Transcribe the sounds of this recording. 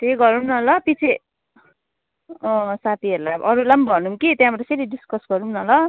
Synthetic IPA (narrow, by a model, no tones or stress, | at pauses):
t̪eɡʌɾunnʌlʌpit͡sʰe | sat̪ʰiʌɾulaʔʌɾulambʱʌnumkit̪jãbʌɾeseɾiɖiskʌsɡʌɾunnʌlʌ